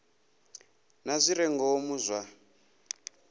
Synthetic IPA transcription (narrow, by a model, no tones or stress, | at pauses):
nazʷiɾɛŋɡɔːmuzʷwa